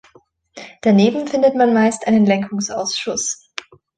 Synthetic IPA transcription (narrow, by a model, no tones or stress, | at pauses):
d̥aneːbm̩fɪndətmanmaɪstʔaɪnənlɛŋkʰʊŋsʔa̰ʊsʃʊs